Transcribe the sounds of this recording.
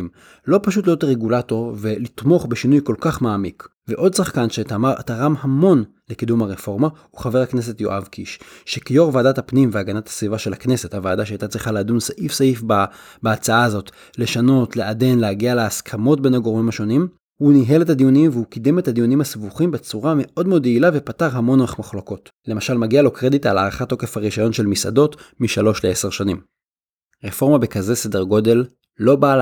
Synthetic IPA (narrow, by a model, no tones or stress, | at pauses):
m | lo̞paʃut̬lijo̞tʁeɡulato̞ʁve̞lit̪mo̞χbeʃinujko̞lkaχmaːmik | veʔo̞dsaχkanʃeatamaʁa̰t̪aʁamhamo̞n | lekidumhaʁefo̞ʁma | uχave̞ʁhakne̞s̬e̞tjo̞ʔavkiʃʃekijo̞ʁvaːdatapnimveaɡanathḁsvivaʃe̞lakne̞se̞thavaːdaʃeajt̪at͡sʁiχaleːd̪unsaʔifsaifbabeat͡saazo̞t | le̞ʃano̞tle̞ʔade̞nleaɡialeaskʰamo̞t̚be̞naɡo̞ʁmimaʃo̞nim | huniɦe̞le̞tad̪ijunimveukidemethad̪iunimasvuχimbet͡suʁame̞ʔo̞dmeo̞d̪eilave̞pataʁɦamo̞naχmaχloko̞t | le̞maʃalmaɡialo̞kʁe̞ditalaːʁaχat̪ːo̞ke̞faʁiʃajo̞nʃe̞lmisa̰do̞tmiʃalo̞ʃleese̞ʁʃanim | ʁefo̞ʁmabekaze̞se̞de̞ʁɡo̞de̞lː | o̞ba